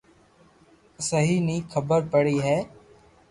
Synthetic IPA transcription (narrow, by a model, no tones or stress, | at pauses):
səɦiːnĩːkʰəbəɾpəɽiːɦɛː